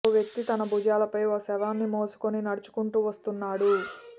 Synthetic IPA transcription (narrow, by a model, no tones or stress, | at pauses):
oʋjek̚t̪it̪ɐnɐbud͡ʒaːlɐpɐjosɛʋaːnːimoːsu̥koninɐɽut͡ʃu̥kuɳʈuːʋɐst̪unːaːɽu